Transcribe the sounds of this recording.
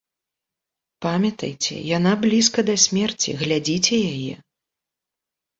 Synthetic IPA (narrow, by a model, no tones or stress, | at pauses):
pamʲɐt̪ɐ̰jt͡sʲɛ̰jan̪ablʲiskɐd̪ɐsʲmʲɛrt͡sʲḭɣlʲad͡zʲit͡sʲɛjajɛ̰